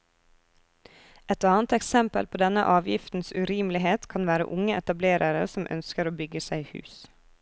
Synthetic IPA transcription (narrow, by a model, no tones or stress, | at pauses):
ɛt̪ɑːnt̪ɛksɛmpə̰lpʰoːd̪ɛnə̰ʔɑːʋjɪft̪n̩sʉɾiːmlɪheːt̪kʰɑnʋæːɾə̰ʔʊŋəʔɛt̪ɑbleːɾʔɑɾə̰sɔmʔœ̰nskəɾoːbʏɡəsæɪhʉ̰ːs